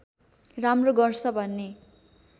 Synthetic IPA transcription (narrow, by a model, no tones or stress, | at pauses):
ramroɡʌrt͡sʰʌbʱʌnːe